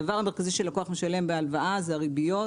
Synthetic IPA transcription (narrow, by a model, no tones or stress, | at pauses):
avaʁhame̞ʁkaziʃe̞lakoaχmeʃale̞mbealvaʔazeaʁibijo̞